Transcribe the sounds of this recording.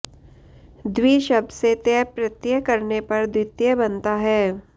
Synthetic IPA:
d̪wiʃɐb̚d̪set̪ɛpɾɐt̪jəkɐɾnepɐɾd̪wɪt̪jəbɐnt̪aɦɛː

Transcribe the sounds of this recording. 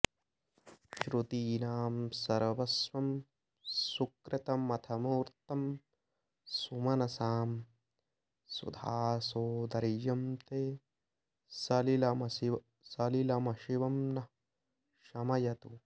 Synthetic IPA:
ʃɾut̪iːnaːmsɐɾʋɐsʋɐm | sukɾɪt̪ɐmɐt̪ʰɐmuːɾt̪ɐm | sumɐnɐsaːm | sṵd̪ʱaːsoːd̪ɐɾjɐmt̪eː | sɐlilɐmɐi | sɐlilɐmɐʃiʋɐmnɐ | ʃɐmɐjɐt̪u

